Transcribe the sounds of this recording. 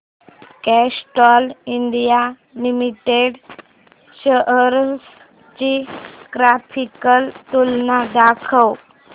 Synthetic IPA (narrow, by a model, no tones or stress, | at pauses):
kɛsʈɔliɳɖija | limiʈeɖ | ɕəʔəɾs | t͡ɕikɾapʰikəlt̪ulnad̪akʰəw